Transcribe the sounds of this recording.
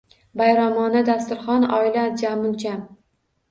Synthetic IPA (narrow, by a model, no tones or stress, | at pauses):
bajɾɒmɒnɪd̪ast̪ʊɾχɒnɒɪlad͡ʒamʊnt͡ʃʰam